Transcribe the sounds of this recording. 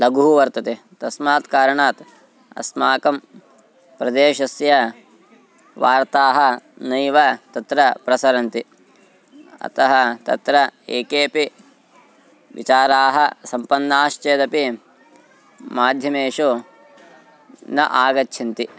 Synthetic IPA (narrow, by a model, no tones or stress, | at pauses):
lɐɡuɦuʋɐɾt̪ɐt̪e | t̪ɐsmaːt̪kaːɾɐɳaːt̪ | ɐ̰smaːkɐm | pɾɐd̪eːʃɐsjɐ | ʋaːɾt̪aːɦɐ̆nɐjʋɐt̪ɐt̪ɾɐpɾɐsɐɾɐnt̪i | ɐ̰t̪ɐɦɐt̪ɐ̰t̪ɾɐeːkeːpi | ʋḭt͡ʃaːɾaːɦɐsɐmpɐnːaːʃt͡ʃeːd̪ɐpi | maːd̪ʱjɐmeːʂu | nɐ̰ʔaːɡɐtːʰɐnt̪i